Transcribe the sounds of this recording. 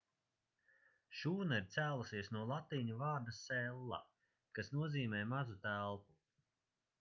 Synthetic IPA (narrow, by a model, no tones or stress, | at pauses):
ʃuːnaiɾt̪sæːlˠasiɛsnuɔlˠat̪iːɲuvaːɾd̪asɛlˠːa̰ | kasnuɔziːmɛːmazut̪ælˠpu